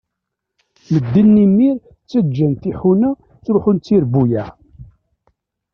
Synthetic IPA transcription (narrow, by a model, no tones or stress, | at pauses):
məd̪ːənːimːiɾ | t͡sːəd͡ʒːənt̪iħunæ | θɾʊħʊnt͡sːiɾbujæ